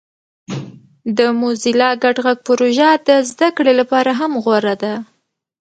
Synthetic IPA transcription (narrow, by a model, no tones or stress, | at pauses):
d̪əmozilɑɡaɖɣaɡ̚pʊɾoʒad̪əzd̪akɽelapɑɾaɦamɣwaɾad̪a